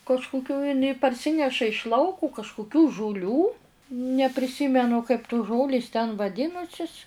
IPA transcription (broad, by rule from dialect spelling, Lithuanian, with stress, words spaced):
kɐʃkʊˈkʲuː ɪˈnɐɪ pɐrʲˈsʲɪnʲɛʃɐ ɪʃ ˈlˠɐʊkʊ kɐʃkʊˈkʲuː ʒʊˈlʲuː nʲɛpʲrʲɪˈsʲiːmʲɛnʊ kɐɪp tʊs ˈʒoːlʲeːs tʲɛn ʋɐˈdʲɪnʊsʲɪs